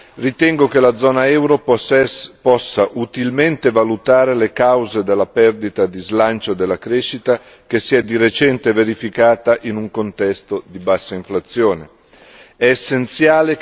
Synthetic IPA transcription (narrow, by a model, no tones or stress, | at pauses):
rit̪ɛŋɡok̟elad̪zːɔːnaɛwɾo | pɔsːaʔut̪ilment̪evalut̪aːɾelekawzed̪elːapɛrd̪it̪ad̪izlant͡ʃod̪elːakɾeʃit̪a | k̟esːiɛd̪iɾet͡ʃɛnt̪eveɾifikaːt̪aʔinuŋkont̪ɛst̪od̪ibasːaiɱflat̪sːjoːne | ɛːsːent̪sjaːle